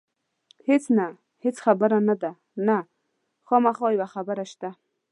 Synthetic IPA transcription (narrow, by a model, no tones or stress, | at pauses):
het͡sna | het͡sχabaɾanad̪a | na | χomaχɔjwaχabaɾaʃt̪a